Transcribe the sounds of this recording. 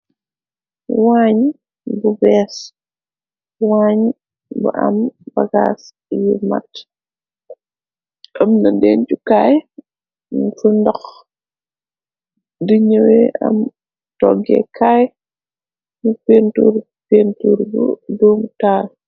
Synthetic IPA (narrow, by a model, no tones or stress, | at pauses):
waːɲ | bubɛːs | waːɲ | buʔɐ̰mbɐɡa̰s | juma̰t | ʔɐmnɐdɛːncukaːj | fundɐx | diɲəwɛʔɐ̰m | tɔɡɛ̰kʰaj | nupentuɾ | pentuɾbṵdɔːmtaːl